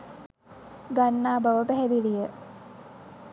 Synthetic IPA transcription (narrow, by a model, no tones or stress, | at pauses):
ɡanːaːbaʋəpæɦɛd̪ilijə